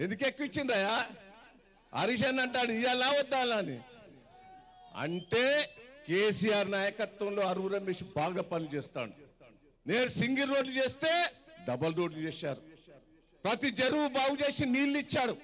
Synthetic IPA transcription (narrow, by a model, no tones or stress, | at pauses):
end̪ukekːuʋit͡ʃːinɾaːjaː | ɐ̰ɾiʃ̬ɐnɐɳʈaːɽuijalaːʋɔd̪ːaːlaːnḭ | ɐ̰ɳʈe̞ːkeːsijaːɾnaːjɐkɐt̪ʋɐmlo̞ːɐɾuʋuɾɐmeʃibaːɡaːpɐnit͡ʃɛːst̪a̰ːɽu | neːɾusiŋɡɐlːo̞ːɖlut͡ʃeːst̪e̞ːɖɐbɐlɾo̞ːɖlut͡ʃeːʃaːɾu | pɾɐt̪id͡ʒeɾuʋubaːɡut͡ʃe̞ːsiniːlːit͡ʃːaːɽu